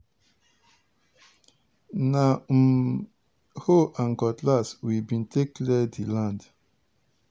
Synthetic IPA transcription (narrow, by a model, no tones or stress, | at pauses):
na | hoʔãŋkɔtlaswibĩntʰeklɛdilãnd